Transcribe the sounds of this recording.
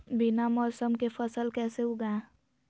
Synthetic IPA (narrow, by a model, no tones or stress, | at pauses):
binamɔːsəmkefʰəsəlkɛːseɦʊɡã